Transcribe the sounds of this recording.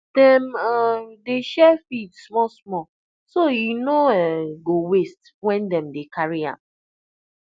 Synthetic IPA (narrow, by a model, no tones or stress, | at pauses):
d̥ɛ̃madeʃɛfidsmɔsmɔ | sojunoɛɡowest | wɛ̃ndɛ̃mdekaɹiã̰m